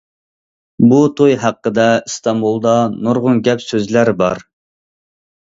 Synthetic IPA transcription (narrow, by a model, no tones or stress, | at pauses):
but̪ʰojɦæqːəd̪ɛɨst̪ɑmbulˠd̪ɑnuɾʁʊnɡʲɛpsøzlæɾbɑ̰ɾ